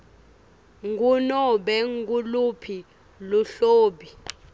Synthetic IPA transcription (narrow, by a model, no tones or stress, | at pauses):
ŋɡunɔɓɛŋk̬ʼulupʰi | luɬoːɓi